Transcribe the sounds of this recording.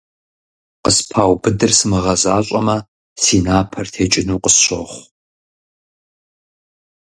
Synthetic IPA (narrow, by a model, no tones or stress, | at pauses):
qəspʰaːwbɨdɨrsɨmɨʁɐzaːɕʷʼɐmɐ | siːnaːpʰɐrtʰeːt͡ʃʼɪnuːqəsɕo̰χʷ